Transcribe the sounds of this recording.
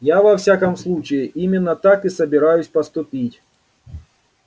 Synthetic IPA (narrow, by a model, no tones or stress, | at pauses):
javɐfsʲakɐmslˠut͡ɕɪjɪʔimʲɪnːət̪akɨsəbʲɪɾajʊsʲpɐst̪ʊpʲitʲ